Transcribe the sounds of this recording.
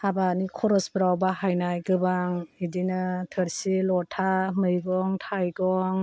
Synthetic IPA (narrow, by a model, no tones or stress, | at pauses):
abanikʰɔɾɔsbɾawbaɦajnajɡɯbaŋidinɯtʰɯɾsilɔtʰamɯjɡɔŋtʰajɡɔŋ